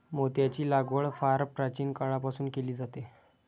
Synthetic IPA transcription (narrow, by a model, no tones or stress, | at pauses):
mot̪jat͡ɕiːlaɡʋəɭfaɾpɾat͡ɕiːnkaɭapasuːnkeliːd͡zat̪e